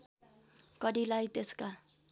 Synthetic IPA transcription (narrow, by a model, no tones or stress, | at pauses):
kʌɽilajt̪eska